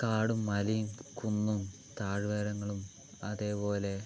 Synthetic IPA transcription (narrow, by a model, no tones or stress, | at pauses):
kaːɽumːɐlijumkunːum | t̪aːɻʋeːɾɐŋːɐɭum | ɐðe̞ːpo̞ːle̞